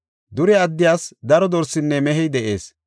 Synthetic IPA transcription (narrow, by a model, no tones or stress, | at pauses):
d̪ʊɾɛɐd̪ːɪjaːsd̪ɐɾɔd̪ɔɾsɪnːɛmɛɦɛjd̪ɛʔe̞ːs